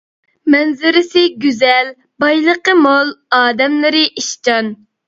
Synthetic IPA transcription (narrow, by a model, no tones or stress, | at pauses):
mɛnzɪɾɪsɪɡʲyzɛl | bɑjlˠəqəmolˠɑːd̪ɛmlɪɾɪʔiʃt͡ʃɑn